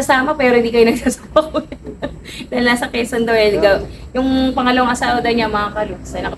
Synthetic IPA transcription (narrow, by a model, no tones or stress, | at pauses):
ɐsaːmɐpɛːɾo̞hɪnd̪ikɐjʊnɐɡ̚saːsapɐkojɐd̪̥aːɪlnaːsɐkɛsɐnd̪oɛlɡɐwjʊŋpɐŋɐlɐwɐŋʔɐsaːwɐd̪ɐɲamɐŋakɐɾusɐnɐk